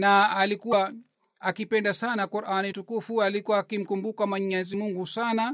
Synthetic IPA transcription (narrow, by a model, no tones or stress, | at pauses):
naːlikua | akipɛndasanakuɾʔanitukufualikuwakim̩kumbukamaɲɛzimuŋɡusana